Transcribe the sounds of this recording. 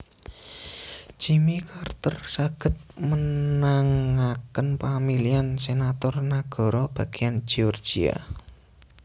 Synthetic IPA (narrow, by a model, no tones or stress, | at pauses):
ʒ̥imikart̪ərsaɡ̥ə̤t̪̚mənaŋakənpamiliansenat̪ɔrnaɡ̥ɔ̤ɾɔb̥a̤ɡ̥eand͡ʒ̥iɔrd͡ʒ̥ia̰